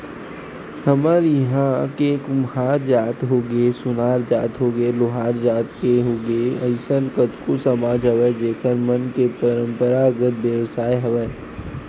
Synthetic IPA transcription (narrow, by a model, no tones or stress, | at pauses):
həməɾjɐɦãkekʊmhaːɾd͡ʒaːt̪ɦoːɡesʊnaːɾd͡ʒaːt̪ɦoːɡelʊɦaːɾd͡ʒaːt̪keɦoːɡeəɪsənkət̪kusəmaːd͡ʒʱɦəʋɛd͡ʒeːkʰəɾmənkepəɾə̃mpəɾaɡət̪̚bjəʋsaːjɦɐʋɛː